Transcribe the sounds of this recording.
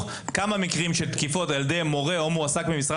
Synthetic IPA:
kamamikʁimʃet̪kifo̞taldemo̞ʁe̞o̞muasakbimisʁa

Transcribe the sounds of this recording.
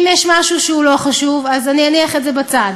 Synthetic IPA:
imjɛʃmaʃuʃeulo̞χaʃuvazanianiaχetzebat͡sad

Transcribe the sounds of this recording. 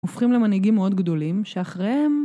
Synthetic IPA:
ofχimlemaniɡimːeo̞d̪ɡd̪o̞limʃeaχʁehem

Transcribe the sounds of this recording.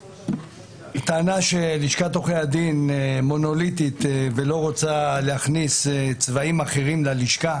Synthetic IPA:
t̪aːnaʃe̞liʃkat̪o̞χejad̪inmo̞no̞lit̪it̪velo̞ʁot͡saleaχnist͡svaimaχe̞ʁimlaliʃka

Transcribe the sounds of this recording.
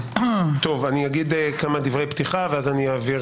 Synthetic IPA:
t̪o̞vanijaɡid̪ekamad̪ivʁe̞jpt̪iχaveazanijaːviʁ

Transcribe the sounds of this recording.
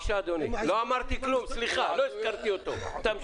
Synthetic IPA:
ʃaːd̪oniloamaɾt̪iklumsliχalojskaɾt̪iot̪ot̪am

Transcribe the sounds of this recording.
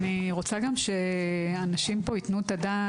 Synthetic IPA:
niʁo̞t͡saɡamʃe̞anaʃimpo̞it̪nut̪ad̪a

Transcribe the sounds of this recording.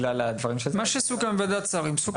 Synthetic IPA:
lalad̪vaʁimʃemaʃesukamvad̪at͡saʁimsuk

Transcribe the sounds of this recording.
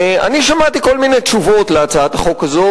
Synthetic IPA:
a̰niʃamat̪iko̞lminejt̪ʃuvo̞t̪leat͡saat̪aχo̞kazo

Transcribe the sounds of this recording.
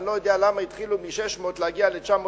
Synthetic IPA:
lojod̪ealamait̪χilumiʃeʃmo̞t̪leaɡialet͡ʃamo

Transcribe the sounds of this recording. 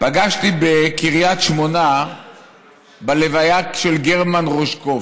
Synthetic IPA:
paɡaʃt̪ibekiʁjat̪ʃmo̞na | balevajakʃelɡeʁmanʁoʃko

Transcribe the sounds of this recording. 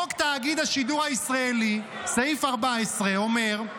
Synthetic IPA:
okt̪aːɡid̪haʃid̪uʁaisʁaeli | seaifaʁbaesʁeo̞me̞ʁ

